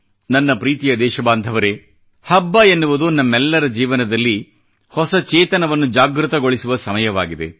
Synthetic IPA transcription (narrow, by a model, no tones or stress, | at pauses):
nɐnːɐpɾiːt̪ijɐd̪ɛːʃɐbaːnd̪ʱɐʋɐɾe̞ | hɐbːɐenːuʋud̪unɐmːɛlːɐɾɐd͡ʒiːʋɐnɐd̪ɐlːi | hɔsɐt͡ʃɛːt̪ɐnɐʋɐnːud͡ʒaːɡɾut̪ɐɡoɭisuʋɐsɐmɐjɐʋaːɡid̪e̞̰